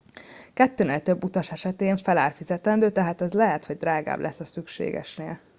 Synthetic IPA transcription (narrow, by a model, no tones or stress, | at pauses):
kɛt̪ːøːneːlt̪ø̞bːut̪ɒʃɛʃɛt̪eːɱfɛlaːrfizɛt̪ɛnd̪øːt̪ɛɦaːt̪ɛzlɛɦɛt̪ho̞ɟd̪raːɡa̰ːblʔɛsːɒsykʃḛːɡɛ̰ʃnḛːl